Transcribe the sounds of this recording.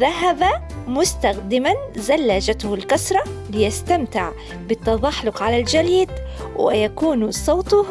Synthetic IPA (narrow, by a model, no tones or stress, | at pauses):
ðaɦabamʊst̪axd̪ɪmanzalːaːd͡ʒat̪ʊhʊlkɑsɾˤɑbɪjast̪amt̪ɪʕ | bɪt̪ːɑðˤɑħlʊqʕalald͡ʒaliːd̪wɪ̰jakuːnsˤɑːt̪ˤʊ